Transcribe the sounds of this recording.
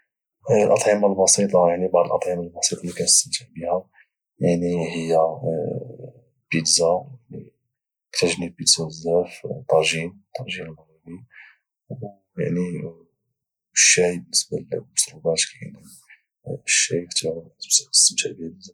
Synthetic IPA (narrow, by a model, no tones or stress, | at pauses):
əlʔɑt̪ˤʕimalbɑsit̪ˤɑjaʕnibɑʕd̪ˤəlʔɑt̪ˤʕimalbɑsit̪ˤɑlːikænəst̪əmt̪ʰəʕbihæ | jaʕnihəjːæ | bid̪zajaʕni | t̪ɾˤɑʒnibid̪zæzːæft̪ˤːɑˤʒimt̪ˤːɑɾʒinəlmɣibi | u | ja̰ʕni | ʃːijbənːəsbalmʊsɾubæt̪kæn | ʃːijkt̪ʕt̪msəst̪əmt̪ʰaʕbihæzæ